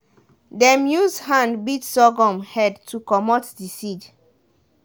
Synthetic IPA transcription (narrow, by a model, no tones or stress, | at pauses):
dɛ̃mjuzdhãndbitsɔɡɔ̃mhɛdtʰukɔmɔtdisid͡ʒ